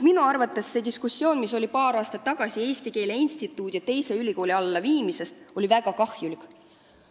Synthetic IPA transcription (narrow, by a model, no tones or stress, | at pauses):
minuɑrvɑt̪ːˑe̞sːe̞ːd̪iskusːjo̞ːnmiso̞lʲipɑːɾɑːst̪ɑt̪ːɑɡ̥ɑsie̞ːst̪ike̞ːle̞inst̪it̪ːˑuːd̪̥iɑt̪e̞jse̞ylʲiko̞ːlʲiɑlːɑviːmise̞st̪o̞livæɡ̥ɑkɑhjulik